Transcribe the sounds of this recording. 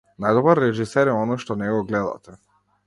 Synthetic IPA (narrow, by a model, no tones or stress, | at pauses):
najd̪obaɾːeʒiseɾjeonoʃt̪oneɡoɡled̪a̰t̪e